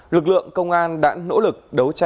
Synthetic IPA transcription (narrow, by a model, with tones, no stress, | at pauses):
lɨ˨˩k̚lɨ̰˧˨əŋkə˧wŋ͡mʔaː˧nɗa̰ː˧˥nːo̰˧˥lɨ˨˩k̚ɗə˨˦wt͡ɕa˧